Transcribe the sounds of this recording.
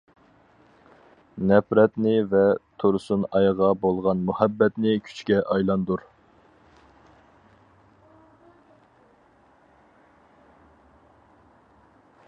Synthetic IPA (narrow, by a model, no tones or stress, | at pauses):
nɛpɾɛt̪nɪvɛt̪ʰoɾsunɑjʁɑbolˠʁɑnmuhæbːɛt̪nɪkʲʰy̥t͡ʃkʲɛʔɑjlˠɑnd̪uɾ